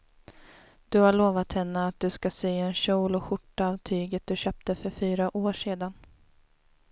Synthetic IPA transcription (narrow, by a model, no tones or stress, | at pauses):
d̪̥ɵhaɭoːvat̪hɛnːəat̪̚d̪ɵskasyːɛnɕuːlɔɧʊʈːaːvt̪ʰyːɡət̪̚d̪ɵɕøːp̚t̪əfœɾfyːɾaʔoːʂeːd̪an